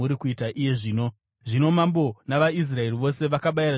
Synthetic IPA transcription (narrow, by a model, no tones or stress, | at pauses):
uɾikuitaʔije̞ʐiːno̞ | ʐino̞mambo̞naʋais̬rae̞riʋo̞se̞ʋakaɓajira